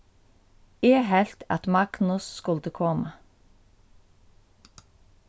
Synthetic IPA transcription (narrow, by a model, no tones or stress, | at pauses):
eːɦɛlt̪ʰɑ̰t̪mɑɡ̥nʊsskʊlt̪əkʰɔːmɑ